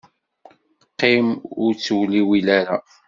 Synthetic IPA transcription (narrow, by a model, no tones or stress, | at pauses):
qːɪmʊɾt͡sːwliwilaɾa